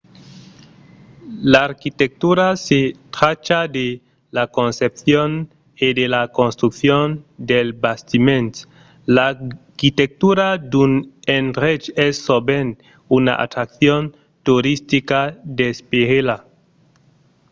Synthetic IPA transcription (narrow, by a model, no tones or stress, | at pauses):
laːɾkit̪ek̚t̪uɾaset̪ɾat͡ʃad̪e | lakonsep̚θjon | edelakonst̪ɾukθjond̪elbast̪imẽnt̪ | lakit̪ek̚t̪uɾad̪unenret͡ʃesːoben | una̰ʔa̰t̪ɾak̚θjon | t̪uɾist̪ikad̪espeɣela